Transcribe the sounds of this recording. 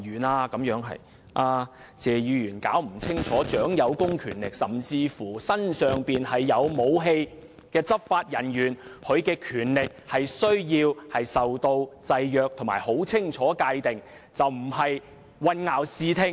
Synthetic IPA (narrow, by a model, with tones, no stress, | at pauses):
yː˨˩naː˧kɐ˨˥mjœː˨˥ŋɦɐ̰˨j | ʔaː˧ | t͡sɛː˨˧jyː˨˧jyː˨˩nkaː˨˥wm̩˨˩t͡sʰɪ˥ŋt͡ʃʰɔː˨˥t͡ʃœː˨˥ŋjɐ˨˧wkʊ˥ŋkʰyː˨˩nlɪ˨k̚sɐ˨mt͡siː˧fuː˨˩sɐ˥nsœː˨ŋpiː˨nhɐ˨jːɐ˨˧wmo˨˧wɦe˧j | kɛː˧t͡sɐ˥p̚faː˧t̚jɐ˨˩njyː˨˩nhʰɵ˨˧ɥkɛː˧kʰyː˨˩nlɪ˨k̚hɐ˨jsɵ˥ɥjiː˧whɐ˨jsɐ˨wt̪o˧wt͡sɐ˧jːœː˧k̚t̪ʰŋmaː˨˩jho˨˥wt͡sʰɪ˥ŋt͡ʃʰɔː˨˥kaː˧jt̪ɪ˨ŋ | t͡sɐ˨wm̩˨˩hɐ˨j | wɐ˧nŋaː˨˩wsiː˨˧t̪ʰɪ˧ŋ